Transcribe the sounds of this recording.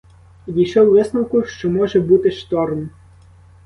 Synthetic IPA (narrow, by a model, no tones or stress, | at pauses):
jiʃɔwʋɘsnowkuʃt͡ʃɔmɔʒɛbut̪eʃt̪ɔrn